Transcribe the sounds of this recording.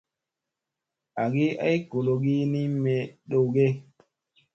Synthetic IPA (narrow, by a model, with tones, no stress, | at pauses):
a˨ɡi˦a̰˦jko˨lo˨ɡi˦ni˦me˨ɗo˨wɡe˦